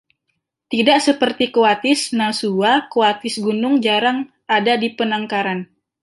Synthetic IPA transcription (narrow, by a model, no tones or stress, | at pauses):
t̪idaʔsəpərt̪ikoat̪ɪsnasuakoat̪ɪsɡunʊŋd͡ʒaɾaŋ | adadipənaŋkaɾan